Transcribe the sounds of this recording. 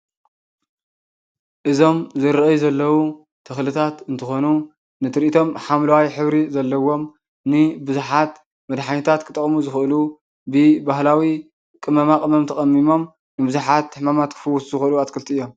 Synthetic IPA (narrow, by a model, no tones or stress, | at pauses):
ʔɨzo̞mzɨɾʔɐjzɐlːɐwu | t̪ʰɨxlɨt̪ʰat̪ɨnt̪ʰɨxo̞nu | nɨt̪ʰɨɾʔit̪ʰo̞mħamlɐwajħɨβɾizɐlːɐwo̞m | nɨbɨzuħat̪ | mɐd̪ħaɲit̪ʰat̪kʰɨ̥t̪ʼɨkʼmuzɨxʔɨlu | bɨbahlawi | kʼɨmɐmakʼɨmɐmt̪ʰɐkʼɐmːimo̞m | nɨbɨzuħat̪ʰːɨħmamat̪kʰɨ̥fɨwut̪zɨxʔɨluat̪kʰɨlt̪ɨjːo̞m